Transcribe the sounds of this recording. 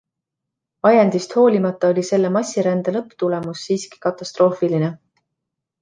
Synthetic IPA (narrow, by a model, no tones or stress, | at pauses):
ɑjɑnd̪ist̪ho̞ːlʲimɑt̪ːˑɑo̞lʲise̞lːemɑsʲːiɾænd̪̥elɤpːˑt̪ule̞musːiːski̥kɑt̪ːˑɑst̪ɾo̞ːfiline